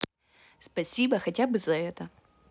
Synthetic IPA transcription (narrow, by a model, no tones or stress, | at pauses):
spɐsʲibɐxɐtʲabɨzɐɛt̪ə